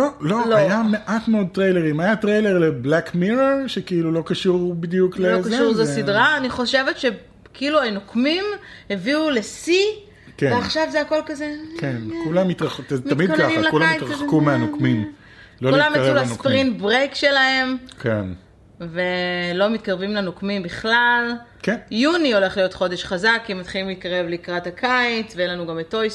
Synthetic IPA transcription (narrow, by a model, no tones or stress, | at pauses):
lololajameʔatmeod̚t̪ʁejleʁimajatʁejle̞ʁle̞blakmiʁeʁʃekiilulo̞kaʃuʁbid̪juklekzuʁzosidʁaːniχo̞ʃe̞vetʃe̞ | kiiluanokmimheviule̞si | keveaχʃavzeako̞lkazekʰenkulamit̪ʁaχtamidkaimlakulammijtʁakumeanokmim | lokulamekʁeuaskpʁintbʁejkʃe̞lahe̞mkʰen | ve̞lo̞mit̪̚kaʁvimlanokmimbiχlalkenjunio̞le̞χlijo̞tχo̞de̞ʃχazakːimat̪χilimliːt̪̚kaʁe̞vleikʁathakʰajt͡sveenlanuɡameto̞js